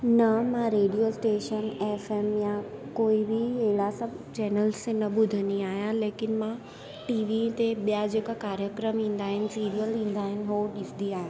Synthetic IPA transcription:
nɐmãɾeːɖijosʈeːʃəneːfeːmjãkoːibɪɦeɦɪlasɐbʱt͡ɕɛːnəlsenɐɓʊd̪ʱəniaːɦijãleːkɪnɪ̆mã | ʈiːʋit̪eɓijad͡ʑeːkakaːɾjəkɾəmĩːn̆d̪aːɦɪnɪ̆siːɾijəlĩːn̆d̪aːɦɪnɪ̆ɦoɗɪsd̪iaːɦeː

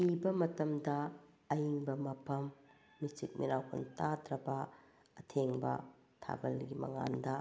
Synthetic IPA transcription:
pibɐmɐtɐmdɐː | jiŋbɐmɐpʰɐmː | isik̚miɾawkʰɐntadɾɐbɐ | ɐtʰeŋbɐ̰ | tʰa̰bɐlɡimɐ̰ŋa̰ndɐ

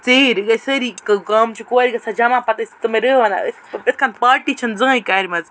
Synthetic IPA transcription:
t͡seːɾɡɐsəɾikɐkɐmt͡ʃʰikoːɾʲiɡɐsad͡ʒɐmãːpɐt̪ɐsʲt̪ɨmeɾəːʋɐna̰ɨt̪ʰit̪̚ʰkʰanpaːɾʈiːt͡ʃʰɐnzɨ̃ːikaːɾʲmɐz

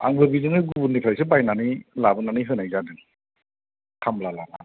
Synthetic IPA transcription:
a̰ŋbɯbizɯŋɯɡubunːipʰlajsɯbajnanilabɯnanijɦɯnajzadɯŋ | kʰamlalala̰

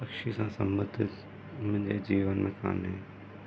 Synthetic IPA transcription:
ɐkʃisãːsə̰̃mbəd̪ʱɪt̪ | mɪ̃ɲd͡ʒed͡ʒiːʋənmẽkʰa̰ːnɦẽː

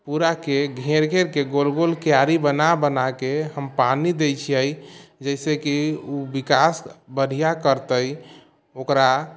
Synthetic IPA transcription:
puɾakeɡʱeɾɡʱeɾkeɡolɡolkijaɾibənabənakeɦəmpanid̪ejt͡ʃʰiəjd͡ʒəɪsekiubikasbəɽ̤ʱijakəɾt̪əj | okɾa

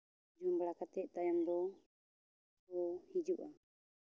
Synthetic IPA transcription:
d͡ʒumblakat̪ɛʔt̪ajambɔ | ɔhid͡ʒuʔa

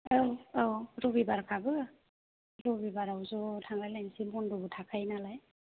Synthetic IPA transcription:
awawɾɔbibaɾkʰabɯ | ɾɔbibaɾawzɔtʰaŋlajlajnsimɔndutʰakʰajnalaj

